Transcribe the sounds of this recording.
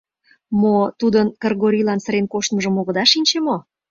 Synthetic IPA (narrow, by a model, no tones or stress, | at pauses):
mot̪ud̪ənkerɣoɾʲilɑnsəɾenkoʃt̪məʒəmoɣə̆d̪ɑʃinʲt͡ɕemo